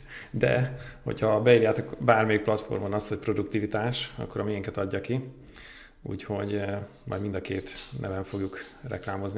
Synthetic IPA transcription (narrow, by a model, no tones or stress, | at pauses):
d̪ɛ̰ho̞̰chɒbɛiːɾjaːt̪o̞kbaːrmɛjik̚plɒt̪fo̞̰rmonɒsho̞c̚pro̞d̪ukt̪ivit̪aːʃɒ̰kːo̞ɾɒmijɛŋkɛt̪ɒɟːɒki | ṵːcho̞ɟmɒ̰jd̪mind̪ɒkeːt̪nʔɛ̰vɛɱfo̞ɡjukrɛ̰klaːmo̞zni